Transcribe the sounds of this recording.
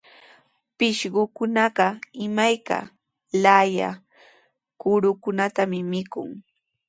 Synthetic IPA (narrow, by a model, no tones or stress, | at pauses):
pɪʃɢʊkʊnɑɢɑɪmajka̰ | laja̰ | kʊɾʊkʊnat̪amɪmɪkʊ̰ŋ